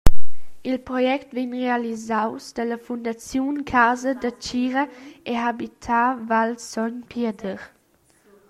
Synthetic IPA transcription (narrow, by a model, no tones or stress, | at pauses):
ilpɾɔjɛktvinʁealizawsd̥̪ələfund̪at͡sjunkʰazədət͡ʃiɾəeɦabit̪ʰavalsɔnpʰedəɾ